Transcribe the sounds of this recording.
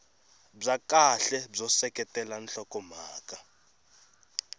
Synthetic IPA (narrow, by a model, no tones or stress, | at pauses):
b͡ʐakʼaɬɛb͡ʐɔsɛkʼɛtʼɛlanɬɔkʼɔm̤aːkʼa